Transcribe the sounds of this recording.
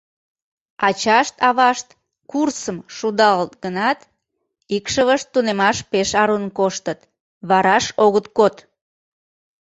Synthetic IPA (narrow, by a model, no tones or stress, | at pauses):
ɑt͡ɕɑʃt̪ɑβɑʃt̪ | kursəmʃud̪ɑlət̪̚ɡənɑt̪ | ikʃəβəʃt̪ːunemɑʃpeʃɑɾunkoʃt̪ət̪ | βɑɾɑʃoɣət̪kot̪